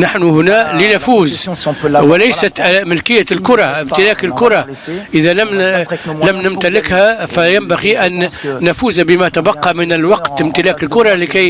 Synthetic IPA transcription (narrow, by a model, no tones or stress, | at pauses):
naħnuhʊnæːlɪnafuːz | wɪlæjsat̪mɪlkɪjːælkʊɾˤɑʔɪmt̪ɪlæːkɪlkʊɾˤɑ | ʔɪðælæmlæmnɪmt̪alɪkhæfæjæmbaɣiʔænːafuːzbɪmæt̪abɑqːɑmɪnɪlwɑqt̪ɪmt̪ɪlæːkɪlkʊɾˤɑlɪkæj